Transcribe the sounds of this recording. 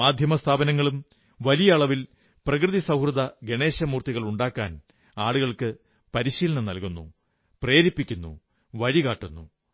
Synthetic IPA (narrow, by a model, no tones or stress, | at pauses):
maːd̪ʱjɐmɐst̪ʰaːbɐnɐŋːɐɭum | ʋɐlijɐːɭɐʋil | prɐkrɨðisɐwhrɨd̪ɐɡe̞ɳe̞ːɕɐmuːrt̪iɣɐɭuɳɖaːkːaːn | aːɭuɣɐɭkɨ | pɐɾiɕiːlɐɳɐnɐlkunːṵ | pre̞ːɾipːikʲːunːṵ | ʋɐɻikaːʈːunːṵ